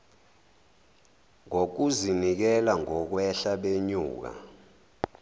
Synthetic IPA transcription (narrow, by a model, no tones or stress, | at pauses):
ŋok̬uzinik̬ɛlaŋɔk̬wɛɬaɓeɲuːk̬a̰